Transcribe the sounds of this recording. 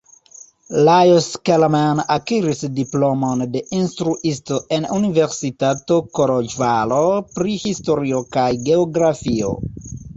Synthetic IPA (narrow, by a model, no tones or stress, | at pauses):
lajoskelmanakiɾisdiplo̞monde̞ʔinstɾuʔistoʔe̞nunive̞ɾsitato̞koɾod͡ʒvalopɾihisto̞ɾiokajɡe̞oɡɾafio̰